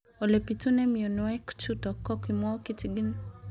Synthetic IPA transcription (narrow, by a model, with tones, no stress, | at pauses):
o˨le˨pitu˦nɛ˦mi˨o˨n˨wɛ˦kt͡ʃu˦tɔ˨kɔ˦kimɔ˦ki˦tiɡi˦n